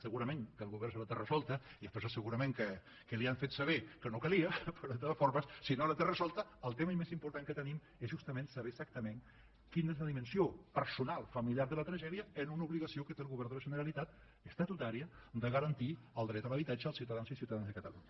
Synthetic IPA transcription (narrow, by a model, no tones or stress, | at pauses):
səɣuɾəmeŋkəlˠɣuβɛrslət̪erəzɔlˠt̪əiðəspezəsəɣuɾəmeŋkə | kəliaɱfet̪səβekənokəliəpəɾɔðət̪aðəfɔɾməssinolət̪erəzɔlˠt̪əəlˠt̪eməimezimpuɾt̪aŋkət̪ənim | ezʒust̪əmẽnsəβesak̚t̪əmeŋ | kinezləðimənsiopəɾsunalˠfəmiljaɾðələt̪ɾəʒɛðiəənunəuβliɣəsiokət̪eəlɣuβɛɾnðələʒənəɾəlit̪at̪ | əst̪ət̪ut̪aɾiəd̪əɣəɾənt̪i | əlˠd̪ɾɛt̪ələβ̞it̪ad͡ʒəːlˠsiwt̪əðanzisiuwt̪aðanzðəkət̪əluɲə